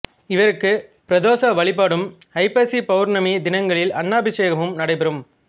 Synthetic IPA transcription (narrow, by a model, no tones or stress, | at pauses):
ɪʋɐɾɯkːɯpɪɾɐðoːsɐʋɐɭɪpːaːɽɯm | ɐɪpeːsipɐʋɯɾnɐmid̪ɪnɐŋɡɐɭɪlɐnːaːbɪt͡ʃeːɣɐmɯmnɐɽɐɪpɐɾɯm